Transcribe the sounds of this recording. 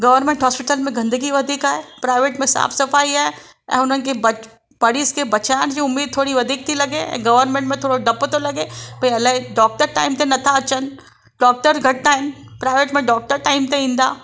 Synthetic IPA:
ɡɐʋəɾmẽɳʈɦɔːspɪʈəlmẽɡɐ̃nd̪əɡiʋɐd̪ʱiːkaːɦepɾaːɪʋeːʈmẽsa̰ːfsɐfaːiaːe | ɛ̰̃ʊnənkebɐ | pɐɽiskebɐt͡ʃaːnd͡ʒiʊmːeːd̪̚t̪ʰoːɽiʋɐd̪ʱiːk̚t̪ʰilɐɡeɛ̰̃ɡɐʋəɾnmẽɳʈmẽt̪ʰoːɽoɖɐpt̪olɐɡebʱɐiɐlaiɖɔːk̚ʈəɾʈa̰ːɪmt̪enɐt̪ʰaɐt͡ʃən | ɖɔːk̚ʈəɾɡʱɐʈ̚t̪aɦɪnpɾaːɪʋeːʈmẽɖɔːk̚ʈəɾʈaːɪmt̪eĩːnd̪a̰ː

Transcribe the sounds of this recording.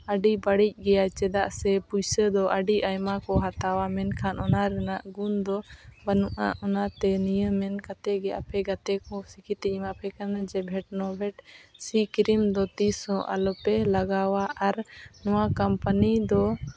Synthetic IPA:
əɖibaɽic̚ˀɡɛjat͡ʃɛd̪aʔsɛpujsəd̪ɔʔaɖiʔajmakɔɦat̪awamɛnkʰanɔnaɾɛnaʔɡund̪ɔbanuʔa̰ʔɔnat̪ɛnijəmːɛnkat̪ɛɡɛapʰɛɡat̪ɛkɔsikʰit̪ɛmapʰɛkanad͡ʒɛbʱɛʈ̚nɔbʱɛʈsikiɾimd̪ɔt̪isɔ̃ʔa̰lɔpɛlaɡawaʔaɾnɔwakampanid̪ɔ

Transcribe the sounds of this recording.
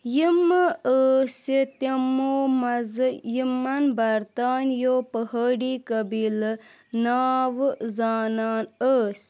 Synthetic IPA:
jimɨəːsit̪ɐmoːmɐzɨjimɐnbɐɾt̪aːnjoːpəɦəɽiːkɐbil | naːʋɨzaːnaːnəːsʲ

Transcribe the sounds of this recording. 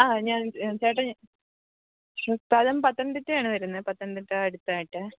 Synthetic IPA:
aːɲaːnt͡ɕeːʈːɐ | tɐlɐmpɐt̪ːɐɳɖ̪itːɨjaːɳɨʋɐɾunːɐpɐt̪ːɐɐɳɖ̪itːɨɐɽut̪ːaːjiʈːɨ

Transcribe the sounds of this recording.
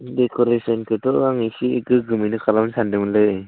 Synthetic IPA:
dekʰɔɾesɔnkʰɯtɔaŋisiːkɯɡɯminɯkʰalawnsandɯmɯlɯ

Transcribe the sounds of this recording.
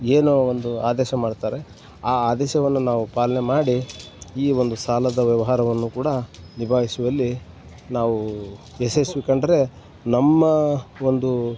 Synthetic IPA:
eːnoːond̪uaːd̪ɛːʃɐmaːɖt̪aːɾe̞ | aːaːd̪ɛːʃɐʋɐnːunaːʋupaːlɐnemaːɽiiːo̞nd̪usaːlɐd̪ɐʋjɐʋɐɦaːɾɐʋɐnːukuːɽɐnibʱaːɦisuʋɐlːi | naːʋu | esesʋikɐɳɖɐɾe̞ | nɐmːɐo̞nd̪u

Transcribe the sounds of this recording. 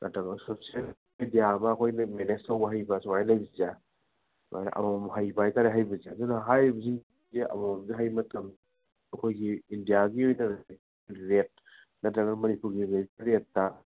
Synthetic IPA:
nʔɐtɐŋɐsop̚siel | idijaɐmɐːkʰojnɐmenestɐwbɐɦajbɐsɔwajlajbiza | swa̰jnɐ̰ʔɐ̰mamɦajbajtaɾeɦajbɐzazunɐɦajbɐziŋ | ziɐ̰monziɦajmɐtʰɐm | ɐkʰojɡiːndijaɡiojnɐ | ɾet̚ | nɐtɾɐŋɐmɐnipuɾɡiɾeɾetːɐ

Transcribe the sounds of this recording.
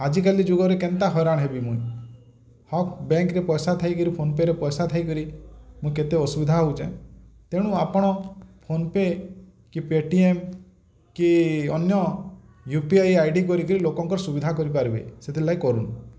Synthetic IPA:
ad͡ʒikalid͡ʒoɡɔɾekent̪aɦɔjɾaɽ̃ɦebimũĩ | hɔkbeŋkɾepɔjsat̪ʰaikɔɾipʰonpeɾepɔjsat̪ʰajkɔɾimũket̪eɔsubid̪ʱaɦout͡ʃʰã̰t̪eɽ̃ũapɔɽ̃ɔpʰonpe | kipeʈiem | kiɔnjɔ | jupiajajɖikɔɾikɔɾilokɔŋkɔɾɔsubid̪ʱakɔɾip̬aɾibḛjset̪ʰilaikɔɾun

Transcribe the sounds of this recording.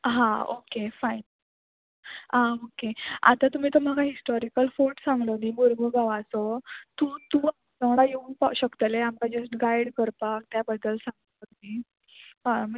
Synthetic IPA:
ɦão̰kefain | ɦãokea̰t̪at̪um̤iːt̪om̤akaɦisʈɔɾikəlfoʈsãŋɡɽəniɡoɾɡʱəɡaʋasɔt̪ũːt̪ua | səɽ̃ajeunpaɕəkt̪əleamkad͡ʑəsʈɡajɽkəɾpak̚t̪jabəd̪ːəlsãŋɡəəni | ɦãm

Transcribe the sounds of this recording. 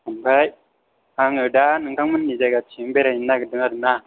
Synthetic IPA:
ambaj | aŋədanəŋɡaŋmənːid͡ʒaɡat͡ʃimbeɾajinːaɡədəŋaɾəna

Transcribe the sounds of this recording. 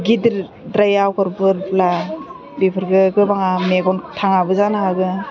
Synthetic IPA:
ɡidɾ | dɾajawkʰɯɾbɯɾpla | bipʰɯɾɡɯɡɯbaŋameɡɔntʰaŋabɯzanaɦaɡɯ

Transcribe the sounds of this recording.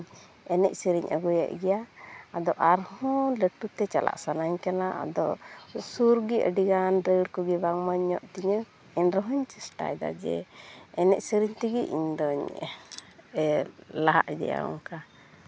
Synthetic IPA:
ɛnɛʔ̚siɾiɲʔəɡɔja̰ʔɡɛjaːd̪ɔʔaɾhɔ̃ləʈut̪ɛt͡ʃalʔa̰ʔsanaɲkanaʔa̰d̪ɔ̰suɾɡiʔə̰ɖiɡanɾəɖkɔɡibaŋməɲːɔʔt̪iɲə | ɛnɾɔɦɔɲt͡ʃɛsʈa̰jd̪a̰d͡ʒɛ̰ɛnɛʔ̚siɾiɲt̪iɡiʔḭɲd̪ɔɲ | ɛlaɦaʔɛd̪ɛ̰ja̰ɔ̰ŋka

